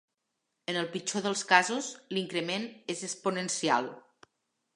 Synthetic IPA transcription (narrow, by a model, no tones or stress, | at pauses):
ənəlˠpit͡ʃoðəlˠskazuzliŋkɾəmenezəspunənsia̰lˠ